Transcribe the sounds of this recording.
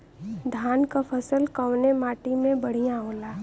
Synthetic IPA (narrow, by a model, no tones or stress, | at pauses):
d̪ʱaːnkapʰəsəlkəwnemaːʈimẽbɐɽ̤ijãɦoːlaː